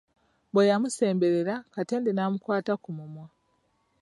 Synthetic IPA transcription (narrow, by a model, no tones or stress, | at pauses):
bwejamuse̞ːmbe̞ɾe̞ɾakate̞ːndenaːmukwaːtakumumwa